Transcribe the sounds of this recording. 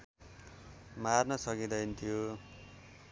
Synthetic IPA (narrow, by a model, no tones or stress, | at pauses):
marnʌsʌkid̪ʌjnt̪ʰijo